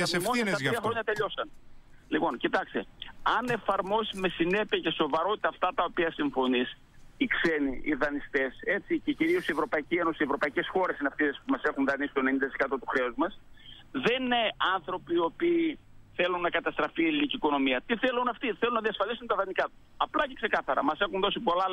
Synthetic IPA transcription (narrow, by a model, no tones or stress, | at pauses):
imosɐsɐɐxɾo̞ɲɐt̪e̞ʎo̞sɐn | lipo̞ncit̪ɐkst̪ḛɐne̞fɐɾmo̞sime̞sine̞piɐce̞so̞vɐɾo̞t̪it̪ɐːft̪ɐt̪ɐopiɐsiɱfo̞nis | ikse̞niḭðɐnist̪e̞se̞t͡sice̞ciɾio̞sie̞vɾo̞pɐicieno̞sievɾo̞pɐice̞sxo̞ɾe̞sineɐft̪ispumɐse̞xunðɐnisi̥t̪onenid̪ɐt̪isekɐt̪o̞t̪uxɾe̞ozmɐs | ðe̞neɐnθɾo̞pio̞piː | θe̞lunːɐkɐt̪ɐst̪ɾɐfieliniciko̞no̞miɐt̪iθe̞lunɐft̪iθelunɐðiɐsfɐlisunt̪ɐðɐnikɐt̪u̥ | ɐplɐce̞ksekɐθɐɾɐ̰mɐse̞xunðo̞sipo̞lɐ